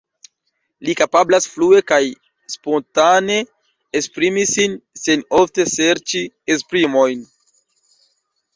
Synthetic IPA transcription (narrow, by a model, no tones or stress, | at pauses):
likapablasflue̞kaj | spo̞ntane̞ | espɾimisinseno̞fte̞seɾt͡ʃi | espɾimo̞jn